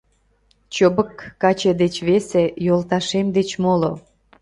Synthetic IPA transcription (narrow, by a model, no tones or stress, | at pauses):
t͡ɕobəkːɑt͡ɕed̪et͡ɕβesejolt̪ɑʃemd̪et͡ɕmolo